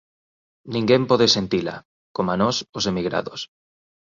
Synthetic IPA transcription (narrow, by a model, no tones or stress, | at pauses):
nĩŋɡempɔðesent̪ila̰ | komanɔsosemiɣɾa̰ðos